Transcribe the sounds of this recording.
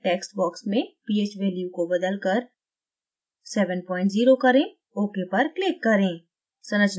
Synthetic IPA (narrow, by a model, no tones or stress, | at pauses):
ʈɛːksʈ̚bɔːksmẽpiːeːt͡ʃʋeːljukobɐd̪əlkɐɾ | sɛːʋənpɔ̃ːɪ̃ɳʈziːɾokɐɾẽ | oːkepɐɾklɪkːɐɾẽː | sɐnəd͡ʒn